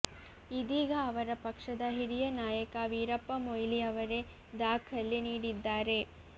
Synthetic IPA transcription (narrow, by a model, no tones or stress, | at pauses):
id̪iːɡɐːʋɐɾɐpɐkʂɐd̪ɐɦiɾijɐnaːjɐkɐʋiːɾɐpːɐmojliɐʋɐɾe̞ | d̪aːkʰɐlːiniːɽid̪ːaːɾe̞